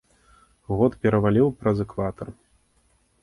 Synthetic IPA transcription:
ɣɔt̪pʲɛɾɐvalʲiwpɾɐzɛkvat̪ɐr

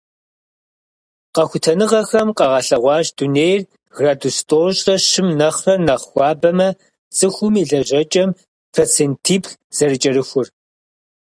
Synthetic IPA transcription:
qɐxʷʊtʰɐnɨʁɐxɐmqʼɐʁɐɬɐʁʷɑːʑduneːjr | ɣradustʼoːɕʼɐɕɪmnɐχrɐrnɐʁxʷɑːbɐmɐ | t͡sʼɨxʷʊmiɮɐʑɐt͡ʃʼɐm | pfʰɐt͡sʰentʰiːpxz̥ɐɾɨt͡ʃʼɐɾɨxʷʊr

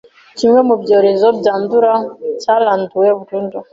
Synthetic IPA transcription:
t͡ʃimwɛmubjɔɾizɔbjanduɾat͡ʃalantuwɛvutundɔ

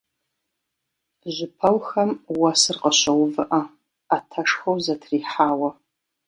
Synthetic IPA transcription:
ʒʷʊpʰɐwxɐmwɐsɨrqɐɕʷɐwvɨʔɐ | atʰɐʂxɐwzɐtʰriːħaːwɐ

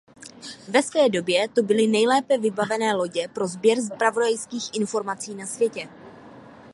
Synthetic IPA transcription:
vɛsvɛːdo̞bjɛt̪obɪlɪnɛjlɛːpɛvɪbavɛnɛːlo̞ɟɛpɾo̞zbjɛɾs̬pɾavo̞dajskiːxʔɪnfo̞ɾmat͡siːnasvjɛcɛ

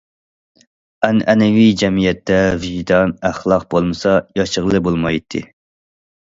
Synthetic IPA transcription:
ɛnʔɛnɛwid͡ʒɛmijɛt̪ʰːɛviʒit̪ʰɑnæχlˠɑq̚bolˠmɨsɑjɑʃəʁlˠɨbolˠmɑjt̪ʰːɨ̰

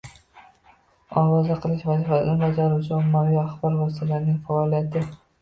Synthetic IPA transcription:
ɒwɒzaqʰɨlˠɪʃvazifat̪anbad͡ʒaɾut͡ʃʰɪɔmːavijaχbɒɾvɒs̬t̪alaɾnɪŋfaːlijat̪ʰɪ

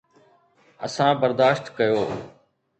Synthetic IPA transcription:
ə̰sãːbəɾd̪aːʃt̪kəjoː

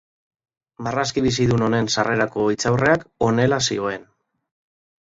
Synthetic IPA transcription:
maraskiβ̞is̬iðuno̞ne̞nsare̞ɾako̞it͡sawre̞ako̞ne̞lasio̞e̞n

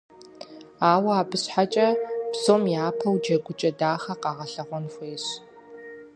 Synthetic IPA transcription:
aːwɐaːbɨɕħat͡ʃʼɐb̥zoːmjaːpʰɐwd͡ʒɐɡʷʊt͡ʃʼɐdaːχɐqɑːʁɐɬɐʁʷɔnxʷeːɕ

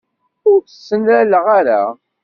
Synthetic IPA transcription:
ʊɾəsːənæləʁaɾa̰

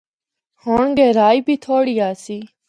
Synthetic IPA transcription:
hoːɳɡeːɾaːiːbʱiːt̪ʰoːɽiːjaːsiː

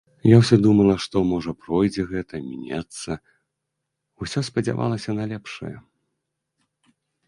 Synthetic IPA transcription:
jawsʲɔd̪umɐlˠɐʂt̪ɔmɔʐɐpɾɔjd͡zʲɛɣɛt̪ɐmʲḭnʲat̪sːɐ | usʲɔspɐd͡zʲa̰va̰lˠɐsʲɐnalʲɛpʂɐ̰jɛ̰

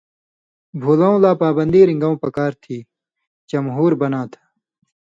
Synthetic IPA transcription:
bʱuːlɐ̃ũlaːpaːbɐnd̪iːɾĩŋɡɐũːpɐkaːɾt̪ʰiː | t͡ɕɐmɦuːɾbɐnãːt̪ʰḁ

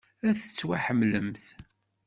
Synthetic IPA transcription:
æθə̥t͡sːwaħəmːləmθ

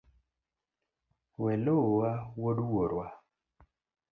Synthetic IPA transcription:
wɛlowawoduwoɾwa

